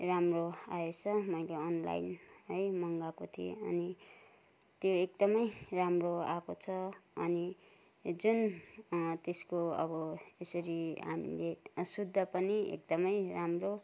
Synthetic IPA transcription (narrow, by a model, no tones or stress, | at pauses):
ramroaet͡sʰʌmʌjleʌnla̰jnʌjmʌŋɡakot̪ʰiḛʌni | t̪joek̚d̪ʌmʌjramroakot͡sʰʌːni | d͡zun | t̪eskoʌ̰bʌesʌɾia̰mḭlesud̪ʱːʌpʌniḛk̚d̪ʌmʌjramro